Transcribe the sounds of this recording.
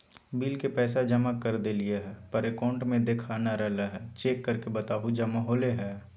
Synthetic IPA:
biːlkepɛːsad͡ʒɐmakɐɾd̪elieɦɛːpɐɾekaːʊ̃ɳʈmẽd̪eːkʰaːnaɾɛɦlaɦɛːt͡ʃeːkːɐɾkebɐt̪aːɦud͡ʒɐmaɦoːleɦɛː

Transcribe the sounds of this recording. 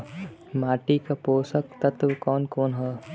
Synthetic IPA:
maːʈikapoːsək̚t̪ɐt̪ʋkɔːnkoːnɦɛː

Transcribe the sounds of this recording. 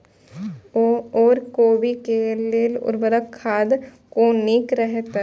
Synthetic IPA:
oːɾkoːbikeleːlʊ̰ɾbəɾəkʰːaːd̪ | konɪkɾəɦt̪a

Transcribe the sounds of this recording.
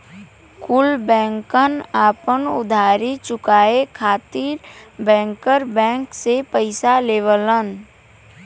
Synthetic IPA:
kʊlbɛ̃ːŋkənaːpənʊ̰d̪ʱaːɾit͡ʃʊkaːekʰaːt̪iːɾbɛ̃ːŋkəɾbɛ̃ːŋksepəɪsaleːʋələn

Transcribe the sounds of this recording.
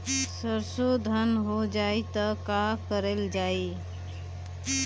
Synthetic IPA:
səɾsod̪ʱənɦod͡ʒait̪əkakəɾeld͡ʒai

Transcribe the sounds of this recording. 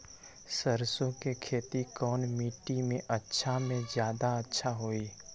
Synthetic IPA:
səɾsõkekʰeːt̪ikɔːnmiːʈimẽʔətːʃʰamẽzjaːd̪aɐtːʃʰaɦoːiː

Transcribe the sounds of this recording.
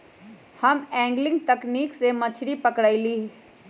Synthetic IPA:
hɐmɛ̃ːŋɡlɪ̃ŋɡ̚t̪ɐkniːksemɐt͡ʃʰɽipɐkɽaːiliː

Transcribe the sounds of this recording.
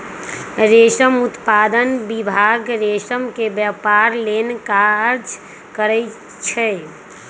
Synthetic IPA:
ɾeʃəmʊt̪paːd̪ənbibʱaɡɾeʃəmkebjəpaɾlenkaəɾd͡ʒ | kəɾɛ | t͡ʃʰɛ

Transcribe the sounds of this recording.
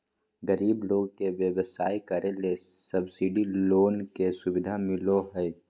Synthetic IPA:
ɡəɾiːbloːɡkeʋjəwəsaːjkəɾelesəbsiɖiloːnkesʊbɪd̪ʱamɪloɦəj

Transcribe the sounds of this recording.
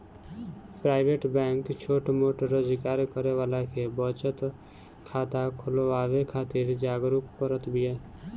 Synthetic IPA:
pɾaːɪʋeːʈbɛ̃ːŋkt͡ʃʰoːʈmoːʈəɾəzɪkaːɾkəɾeʋaːlakʰebɔːt͡ʃət̪ | kʰaːt̪akʰʊloaːʋekʰaːt̪iɾd͡ʒaːɡɾukpəɾət̪bʱɪjaː

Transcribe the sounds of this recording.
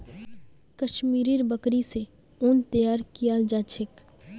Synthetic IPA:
kəʃmiːɾiɾbəkɾise | oːnt̪ɐjaːɾkijald͡ʒaːt͡ʃʰɪk

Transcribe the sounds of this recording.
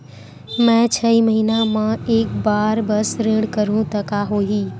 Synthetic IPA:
mɛ̃t͡ʃʰəiməɦinamãeːk̚baːɾbəsɾɪ̃ɽkəɾũt̪əkaɦoːɦiː

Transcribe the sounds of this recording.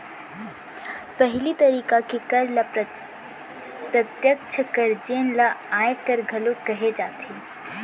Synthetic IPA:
pəɦɪlit̪əɾiːkakekəɾlap | pɾət̪jək̚t͡ʃʰəkəɾd͡ʒeːnlaaːjkəɾɡʱəlokəɦed͡ʒaːt̪ʰe

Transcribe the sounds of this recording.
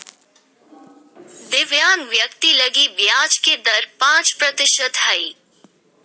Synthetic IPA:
d̪ɪʋjaːnʋjɐkt̪ilɐɡiʋjaːd͡ʒked̪ɐɾpãːt͡ʃpɾɐt̪ɪʃət̪hɐiː

